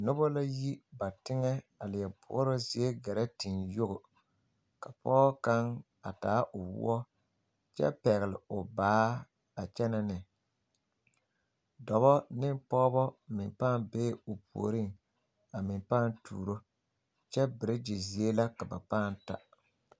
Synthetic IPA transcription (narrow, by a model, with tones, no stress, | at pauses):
nʊ˦bɔ˦la˦ji˦ba˨tɪ˦ŋɛ˦a˨lɪ˨jɛ˨bʊ̰˨˦ɾʊ˦zi˨˦e˦ɡɛ˨ɾa˦ti˨njʊ˦ɣʊ˨ | ka˨pɔː˦ka˦ŋ | a˨taː˨˦ʔʊ˨wʊ̰˦ɔ˦ | t͡ʃɛ̰˦pɛ˨ɣɪ˨lɪ˨ʊ˨baː˨˦ | a˨t͡ʃɛ˦na˦nɪ˨ | dɔ˨βɔ˦nɪ˦mpɔː˦bɔ˦mɪ˨mpaː˦nbeː˦ʊ˨pṵ˨o˨ɾɪ˦ŋ | a˨mɪ˨mpaː˦˨ntʰṵː˨ɾo˦ | t͡ʃɛ˦bɪ˨ɾɪ˦d͡ʒi˨zi˨˦e˦la˦ka˨ba˨paː˦˨nta˦